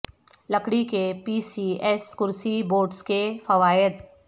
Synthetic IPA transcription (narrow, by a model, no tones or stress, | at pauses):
lɐkɽikepiːsiɛskʊɾsiboːʈskefɐʋaːɪd̪